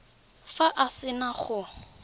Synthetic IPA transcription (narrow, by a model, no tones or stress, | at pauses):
faʔasɪnaχʊ